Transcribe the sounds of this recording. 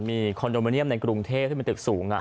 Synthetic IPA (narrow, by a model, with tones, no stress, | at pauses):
miː˧kʰɔː˧njo˧ma˧ni˥˩əmna˧jkɾu˧ŋt̪ʰeː˥˩p̪̚ʰi˥˩mː˧t̪ɯ˨˩k̚suː˩˦ŋʔa̰˨˧